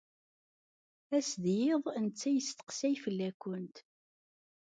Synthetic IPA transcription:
æsðjɪðˤənt͡sːæjəst̪ə̥qsæjfəlːækʷːʊnt̪

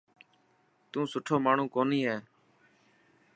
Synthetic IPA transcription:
t̪ũːsʊʈʰoːmaːɳ̤ũːkoːniːɦɛː

